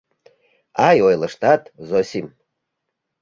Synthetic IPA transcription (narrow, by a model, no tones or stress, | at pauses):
ajojlˠəʂt̪at̪zosʲim